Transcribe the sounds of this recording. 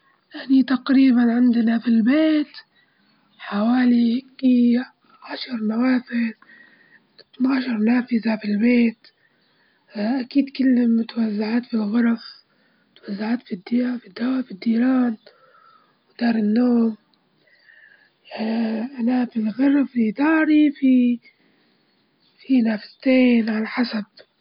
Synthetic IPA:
ʔanit̪aqɾiːbanʕɪnd̪ɪnafilbeːt̪ | ħawaːlihɪɡi | ʕaʃɑɾˤnawaːfɪð | tnaːʃɑɾˤnaːfɪzafilbeːt̪ | ʔakiːd̪kɪlːmʊt̪awazːaʕaːt̪filɣʊɾˤɑf | ʊt̪wazːaʕaːt̪fid̪ːfid̪ːawafid̪ːiːɾɑːn | wd̪̥ɑːɾˤɪnːoːm | ʔanafilɣɑɾˤfid̪ɑːɾifi | finaːfɪzt̪eːnʕalaħasab̥̚

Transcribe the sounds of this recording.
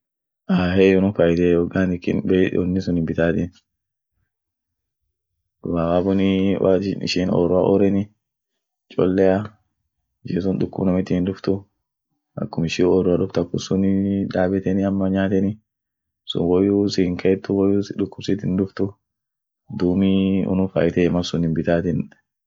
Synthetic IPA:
ʔaːɦɛjɔnʊfɐjt̪eːjɔɡaːnɪkːɪ̰nbeɔnːɪsʊnɪmbɪt̪aːt̪ɪn | wawaːbʊnɪwa̰nɪ̰ʃinɔ̰ɾʊaʔɔɾɛnɪ | t͡ʃʼɔ̰lːɛja | ɪʃɪsʊnᶑ̪ʊkːʊ̰bnɐmɪt̪ːɪɪnᶑʊft̪ʊ | ʔɐ̰kːʊmɪʃiːɔɾʊaᶑʊft̪ɐkːʊsʊnɪᶑaːbɛt̪ɛnɪɐmːɐɲaːt̪ɛnɪ | sʊ̰nwɔjusɪɪŋkʰɐɛt̪ːʊwɔjuːsᶑʊkːʊbsɪt̪ːɪnᶑʊft̪ʊ | d̪uːmiɔ̰nʊfa̰ːʔɪt̪ɛmɐsʊnɪmbɪt̪aːt̪ɪn

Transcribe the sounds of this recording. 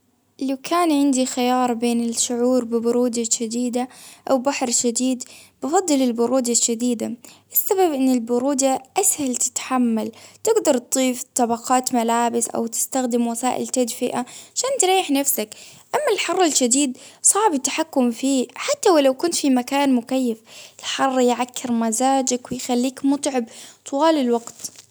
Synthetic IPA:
lawkʰaːnʕɪnd̪ixɪjɑːɾˤbeːnɪlʃʊʕuːɾbɪbʊɾuːd̪aʃad̪iːd̪aʔawbaħɾʃad̪iːd̪bɪfɑd̪ˤːɨlɪlbʊɾuːd̪aʃad̪iːd̪aʔɪsːababʔɪnːɪlbʊɾuːd̪aʔashalt̪ɪ̥t̪ħamːalt̪ɪɡd̪ɑɾˤt̪d̪ˤiːft̪ˤɑbɑqɑːt̪malaːbɪsʔa̰wt̪ɪ̥st̪axd̪ɪmwasaːʔɪ̰lt̪ad̪fɪʔaʕaʃaːnt̪ɾˤɑːjːɪħnafsakʔamːalħɑrˤːɪlʃad̪iːd̪sˤɑʕbɪt̪ːḁħakːʊmfiːħat̪ːawlawkʊnt̪fimakaːnmʊkajːafɪlħɑrˤːjʕakːɪɾmazaːd͡ʒakwɪjxalːiːkmʊt̪ˤʕɪbt̪ˤʰʊwaːlɪlwɑɡt̪

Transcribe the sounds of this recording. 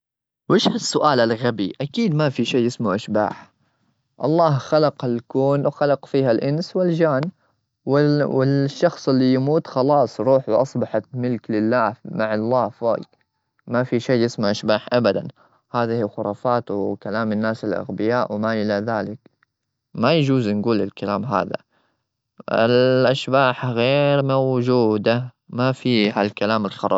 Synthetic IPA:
wɪʃhasːʊʔaːlalɣabiʔakiːd̪mafiʃeːjɪsmaʔaʃba̰ːħ | ʔɑlˤːɑːhxalɑqalkuːnwxalɑqfiːhalʔɪnswɪld͡ʒaːn | wɪwɪʃːɑxsˤɪlːijamuːt̪xɑlɑːsˤɾˤuːħwʔɑsˤbɑħat̪mɪlklɪlːaːhmaʕɑlˤːɑːhfo̰ːk | mafiʃeːjɪsmaʕʔaʃbaːħʔabad̪an | haːðahiːxʊɾˤɑːfaːt̪wɪkalaːmɪnːaːsɪlʔa̰ɣbɪjaːʔwɪmaʔɪlaðaːlɪk | majad͡ʒuːznɡuːlɪlkalaːmɦa̰ːða̰ | ɪ̰lʔaʃbaːħɣeːɾmawd͡ʒuːd̪a | mafiːhalkalaːmɪlxɑɾˤɑ̰b

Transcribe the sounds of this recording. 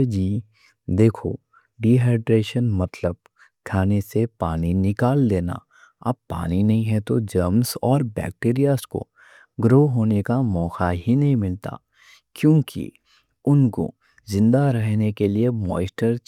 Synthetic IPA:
d͡ʒiː | d̪eːkʰo̰ | ɖiːɦɛːʈɾeːʃənmɐt̪ləb̚ | kʰaːnesepaːninɪkaːld̪eːna̰ | ɐb̚ːa̰ːninɐɦĩɦɛt̪od͡ʒəmsɔːɾbɛ̰ːk̚ʈeːɾijaːsko̰ | ɡɾoːɦoːnekamɔːxaɦinɐɦĩmɪlt̪a̰ | kjõːkḭ | ʊnko̰ | zɪ̃nd̪aɾɛɦnekeliemɔ̰ːsʈəɾ

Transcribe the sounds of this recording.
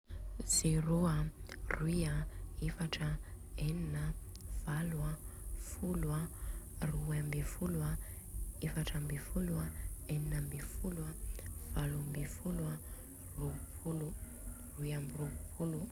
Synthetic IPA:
z̥eɾoaruwiaefaʈ͡ʂə | eninə | v̥alwafulwaruambefulwa | efaʈ͡ʂambefuluaeninəmbefuluwav̥alambefulwa | ruvupʰulu | ruiamirukupʰulu

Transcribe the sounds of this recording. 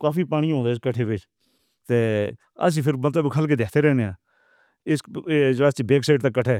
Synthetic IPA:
kaːfiːpaːɽĩːõːnd̪aːskəʈʰeːʋɪt͡ʃ | t̪eː | ə̰s̬ĩːpʰɪɾmət̪ləbkʰəlkeːd̪eːkʰt̪eːɾɛːneãː | ɪsd͡ʒaːst͡ʃebeːksaːɪʈt̪ãkːəʈʰɛː

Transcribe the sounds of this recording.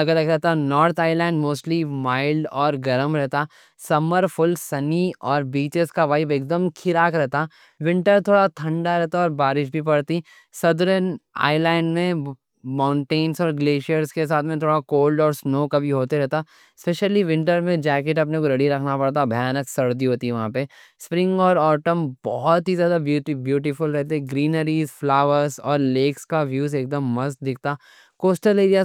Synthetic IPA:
ɐɡəɾɐkɾɛɦt̪anɔːɾt̪ʰaːɪlãːɳɖmoːsʈlimaːɪlɖɔːɾɡɐɾəmɾɛɦt̪a | sɐməɾfʰʊlsɐniɔːɾbiːt͡ʃɪskaʋaibeːk̚d̪əmkʰɪɾaːkɾɛɦt̪a | ʋɪ̃ɳʈəɾt̪ʰoːɽat̪ʰɐ̃ɳɖaɾɛɦt̪aɔːɾbaːɾɪʃ̬bʱip̬ɐɽt̪i | sɐd̪ɾəna̰ːɪlaːɪɳɖmẽ | mãːʊ̃ɳʈeːnsɔːɾɡleːʃijəɾskes̬aːt̪ʰmẽt̪ʰoːɽakoːlɖɔːɾsnoːkabʱiɦoːt̪eɾɛɦt̪a | speːʃəliʋɪ̃ɳʈəɾmẽd͡ʒɛːkeʈɐp̬nekoɾɐɽiɾɐkʰnapɐɽt̪̬abʱɐjaːnəksɐɾd̪iɦoːt̪iɛʋɐɦãpe | spɾɪ̃ŋɡɔːɾɔːɾʈəmbɔɦɔt̪ɦizjaːd̪abjuːʈibjuːʈ̬ifʊlɾɛɦt̪eɛ̃ɡɾiːnəɾiːzflaːʋəɾzɔːɾleːkskaʋjuːzeːk̚d̪əmːɐzk̚d̪ɪk̚ʰt̪aː | koːsʈəleːɾia

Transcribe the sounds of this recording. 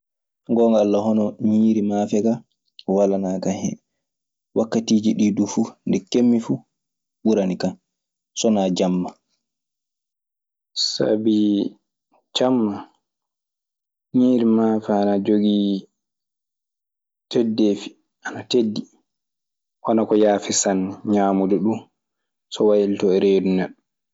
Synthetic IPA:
ŋɡɔŋɡaalːahɔnɔɲiːɾimafɛɡa | walanaːkahɛ̰ | wakːatiːd͡ʒiɗidufundɛkːemːifu | ɓuɾanikan | sɔnad͡ʒamːa | sa̰bi | t͡ʃamːa | ɲiːɾimafaanad͡ʒoɡi | tʰɛdːefi̥ | ʔanatedːi | wanakɔjaːfisanːɲaːmudɛɗun | sɔwajiltɔɛɾeːdunɛɗɔ

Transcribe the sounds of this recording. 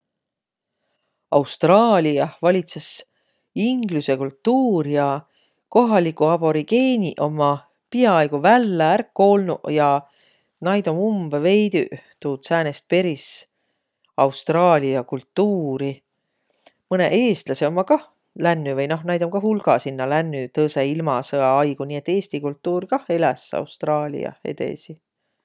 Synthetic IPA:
ɑwst̪rɑːlʲiɑvɑlʲit̪ses | iŋɡluse̞kult̪ːuːɾjɑ | ko̞ɦɑlikːˑuɑb̥o̞ɾiɡe̞ːnʲiʔo̞mːɑ | piɑɑjɡ̥uvælːeærkːo̞ːlnṵʔjɑ | nɑjd̪omumbve̞jd̪y̰t̪uːt̪sæːnest̪̚pe̞ɾis | ɑwst̪rɑːlʲiɑkult̪ːuːɾi | mɤnḛʔe̞ːst̪lɑseo̞mːɑkɑh | lænːyvɤjno̞hnæjd̪omkɑɦulɡ̥ɑsinːɑlænːyt̪ɤseilmɑsɤɑɑjɡ̥uniːe̞t̪ːe̞ːst̪ikult̪ːuːɾkɑhe̞læsɑ̰wst̪rɑːlʲḭɑ̰ḛd̪̥e̞̰si

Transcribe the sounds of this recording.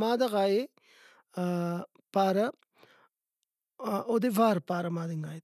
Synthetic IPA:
maːd̪ɐɣaːje | paːɾɐ | od̪eʋaːɾpaːɾɐmaːd̪iŋɡaːj̪

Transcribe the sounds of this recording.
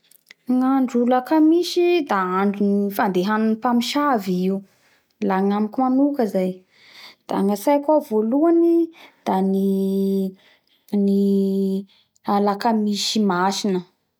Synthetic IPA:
ŋaɳɖ͡ʐulakamiʃid̪aaɳɖ͡ʐunifand̪eɦanunipamiʃaviiu | laŋamikʲumanukəzaj | d̪̥a̰ŋasajkavoluanid̪̥ani | ni | alakamiʃimaʃinə

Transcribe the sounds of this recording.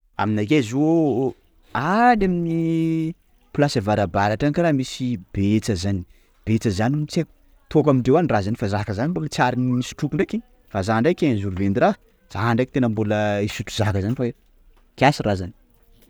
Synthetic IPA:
a̰minakezuo | adamini | plasevaɾabaɾaʈ͡ʂankiramisib̥et͡səzani̥ | b̥et͡səzanimit͡sek | t̪okamiɳɖ͡ʐewanirazanifazakəzanimbukt͡saɾinmisi̥ʈ͡ʂukuɳɖ͡ʐekiɲ | fazaɳɖ͡ʐajkʲeɲazuɾuvend̪iɾa | z̥aɦaɳɖ͡ʐakit̪enəmbuləisut̪u̥zakəzanifae | kʲiasirazani̥

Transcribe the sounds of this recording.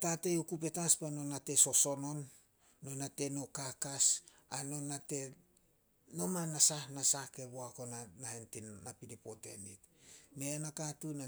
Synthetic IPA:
tate̞jokupe̞taspano̞nate̞so̞so̞no̞nː | o̞nate̞no̞kakas | ano̞nate̞ | no̞manasahnasahke̞βoako̞nanahentinnapinipo̞te̞̰nitne̞anakatuna

